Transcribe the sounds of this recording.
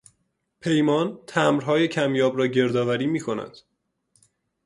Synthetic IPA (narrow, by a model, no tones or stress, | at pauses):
pʰe̞jmɒːnt̪ʰæmɾɦɒːje̞cʰæmjɒːbɾɒːɟe̞ɾd̪ɒːvæɾiːmiːkʰonæ̰d̪̥